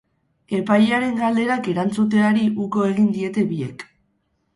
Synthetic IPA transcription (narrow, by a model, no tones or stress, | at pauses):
e̞pajeaɾe̞ŋɡald̪e̞ɾake̞ɾant͡sut̪̬e̞aɾiʔuko̞e̞ɣind̪ie̞t̪e̞βie̞̰k